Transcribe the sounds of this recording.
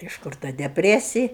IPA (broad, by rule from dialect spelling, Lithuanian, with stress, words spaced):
ɪʃ ˈkʊr tɐ dʲɛpʲˈrʲæːsʲɪj